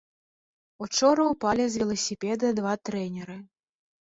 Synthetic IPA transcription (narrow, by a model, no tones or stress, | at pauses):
ut͡ʂɔɾɐwpalʲizʲvʲɛlˠɐsʲipʲɛd̪ɐd̪vat̪ɾɛnʲɛɾɨ